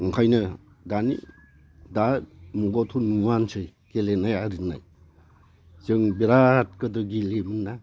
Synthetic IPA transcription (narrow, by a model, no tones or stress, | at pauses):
ɯŋkʰajnɯ | danḭ | damuɡɔtʰunuwansʰɯj | kelenajaɾɯnːa̰j | zɯŋbiɾat̚kɯdɯɡilemɯnːa